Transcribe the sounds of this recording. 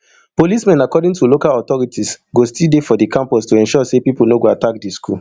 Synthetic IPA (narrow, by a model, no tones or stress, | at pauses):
polismɛ̃nakɔdĩŋtulokalɔtɔɹitʰisɡostildefɔdikʰãmpɔstoɛ̃nʃɔsepipolnoɡoatak̚diskʰul